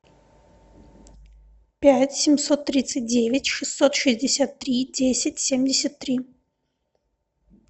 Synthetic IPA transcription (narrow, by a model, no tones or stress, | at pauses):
pʲætʲsʲɪmsot̪ːɾʲit̪sɨt̚ʲdʲevʲɪtʲʂɨsːot̪ʂɨzʲdʲɪsʲat̪ːɾʲidʲesʲɪtʲsʲemʲdʲɪsʲət̪ːɾʲi